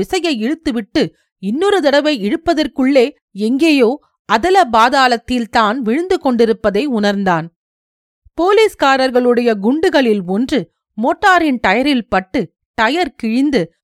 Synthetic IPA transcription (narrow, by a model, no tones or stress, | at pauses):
ɪsɐjɐɪɛɻɯt̪ːɯʋɪʈːɯ | ɪnːɯɾɯðɪɽɐʋɐɪɛɻɯpːɐðɐrkɯɭːeː | ɛŋɡeːjoː | ɐðɪlɐbaːðaːlɐt̪ːɪlt̪aːnʋɪɻɯnd̪ɯkɔɳɖɪɾɯpːɐðɐɪʊnɐɾnd̪aːn | poːliːskaːɾɐɾɣɐɭɯɽɐjɐɡʊɳɖɯɣɐɭɪlʋɔndrɯ | moːʈːaːɾɪnt̪ɐjɐɾɪlpɐʈːɯ | t̪ɐjɐɾkɪɻɪnd̪ɯ